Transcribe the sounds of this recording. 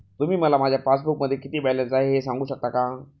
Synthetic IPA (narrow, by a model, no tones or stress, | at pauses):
t̪um̤iːməlamad͡ʑʱjafas̬buk̚məd̪ʱːjekit̪iːbɛlənsaɦeesãŋɡuːɕək̚t̪akã